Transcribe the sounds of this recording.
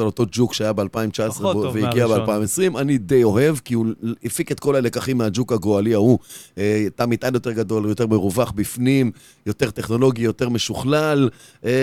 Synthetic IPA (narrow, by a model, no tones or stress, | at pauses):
alot̪o̞d͡ʒukʃeajabealpaimt͡ʃaesʁeveiɡiabealpaimesʁimanid̪ejo̞ɦe̞vkiuifiket̪̚ko̞lale̞kaχimːead͡ʒukaɡoaliauetamit̪ʔanjo̞t̪e̞ʁɡad̪o̞ljote̞ʁmeʁuvaχbifnim | jo̞t̪eʁteχno̞lo̞ɡijo̞t̪e̞ʁme̞ʃuχlal | e